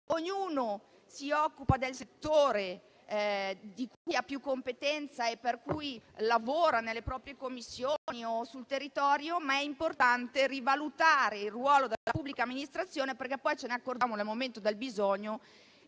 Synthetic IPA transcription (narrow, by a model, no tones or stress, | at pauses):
oɲːuːno | siɔkːupad̪elset̪ːoːɾe | d̪ikujapːjukːompet̪ɛnt̪saepːerkujlavoːɾanelːepɾɔːpɾjekomːisːjoniosult̪erːit̪ɔːɾjomaɛimport̪ant̪erivalut̪aːɾeilrːwɔːlod̪elapubːlikaːmːinist̪ɾat̪sːjoːneperkɛpːɔjt͡ʃenɛakːord͡ʒamonelmoment̪od̪elbizɔɲːo